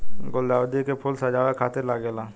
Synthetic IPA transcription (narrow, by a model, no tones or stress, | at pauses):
ɡold̪aːwd̪ikepʰʊlsəd͡ʒaːwekʰaːt̪eɾlaɡelaː